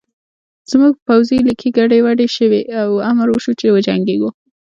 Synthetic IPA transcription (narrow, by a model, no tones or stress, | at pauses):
z̥muɡ̚pawzilikʰiɡaɖewaɖeʃəweawamɾwəʃut͡ʃewəd͡ʒaŋɡeɡu